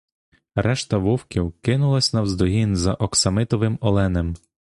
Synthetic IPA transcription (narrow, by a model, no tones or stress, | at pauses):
ɾʔɛʃt̪ɐʋuwkʲiwkɪnʊlˠɐsʲnɐwzd̪ɔɦinzɐʔɔksɐmɪt̪ɔʋɪmɔlˠɛnem